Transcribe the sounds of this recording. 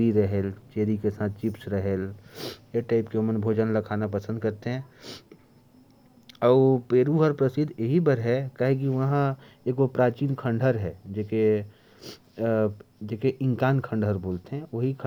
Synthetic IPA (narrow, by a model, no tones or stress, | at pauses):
ɾiɾɐɦeːlt͡ʃeːɾikesãːt̪̚ʰt͡ʃɪpsɾəɦeːljeʈaːɪpkeomənbʱoːd͡ʒənlɐkʰaːnapəsə̃nd̪̚kɐɾt̪eɦɛ̃ | ɔːpeːɾuɦəɾpɾəsɪd̪ʱeɦibɐɾɦɛkaːɦek̬iʋɐɦã | eːkopɾaːt͡ʃiːnkʰə̃ɳɖʱəɾɦɛːd͡ʒeːke | d͡ʒeːkeʔɪ̃ŋkaːnkʰə̃ɳɖʱəɾboːlt̪eɦɛ̃ʋɐɦikʰ